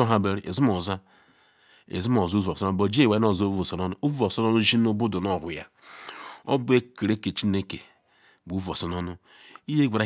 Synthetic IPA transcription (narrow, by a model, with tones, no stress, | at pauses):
o˦ɦa˦be˨ɾi˨ʔḛ˨zi˦m˦o˨za˦ | ḛ˨zi˦m˦o˨zu˦vu˨o˨sɔ˦n˦˨o˨d͡ʒe˦˨we˨˦o˦˨zvo˨sɔ˨nɔ˦nu˦u˦vu˦o˨sɔ˦nɔ˦nu˦ʒi˦nu˦bu˦du˨nɔ˦˨ɦʊ˨ja̰˦ | ɔ̰˦bu˦e˦ke˨ɾe˦ke˨t͡ʃi˦ne˦ke˨ | bu˦vu˨o̰˨sɔ˨nɔ˦nʊ˦ | i˦je˦ɡʷa˨ɾa˨˦˨